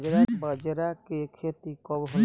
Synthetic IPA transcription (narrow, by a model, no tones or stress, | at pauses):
d͡ʒɾabəd͡ʒɾakekʰeːt̪ikɔbɦə